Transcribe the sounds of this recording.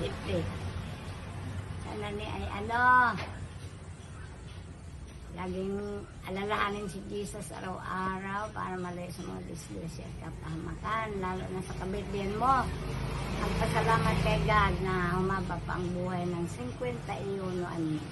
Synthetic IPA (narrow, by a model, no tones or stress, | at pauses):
ɪt̪ɪ | sa̰naʔniʔajʔa̰no | laːɡɪŋʔalalaʔanɪnsid͡ʒisasa̰ɾawʔaːɾawpa̰ːɾamalajʊʔsama̰ŋa̰d̪ɪslɛsaʔt̪̚kapahamakanlaːlʊ̰ʔnasakabɪt̪̚dɪnmo | ʔaɡkasalaːmat̪̚kajɡad̪̚namabapa̰ʔŋbuhajnaŋsɪŋkwɛnt̪aʔijonʊʔa̰n